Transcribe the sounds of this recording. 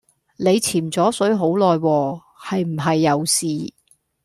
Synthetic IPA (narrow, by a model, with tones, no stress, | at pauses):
ne˨˧jt͡sʰiː˨˩mt͡sɔː˨˥sɵ˨˥ɥɦo˨˥wlɔː˨jwɔː˧ | hɐ˨jm̩˨˩ɦɐ˨jːɐ˨˧wsiː˨